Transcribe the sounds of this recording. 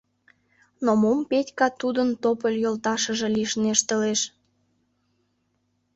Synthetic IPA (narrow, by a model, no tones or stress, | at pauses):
nomompetʲkɑt̪ud̪ənt̪opəlʲjolt̪ɑʃə̆ʒĕliʃneʃt̪ə̆leʃ